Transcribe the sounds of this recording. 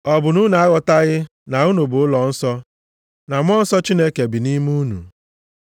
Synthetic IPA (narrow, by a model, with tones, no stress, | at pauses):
ɔ˨bʊ˨nu˦na˨a˦ɣɔ˨ta˦ɣɪ˦ | na˨u˦nu˨bʊ˨ʊ˦lɔ˨n̩˦sɔ˦ | na˨m˦ɔ˦n̩˦sɔ˦t͡ʃi˦ne˦ke˨bi˨ni˦mu˦nṵ˨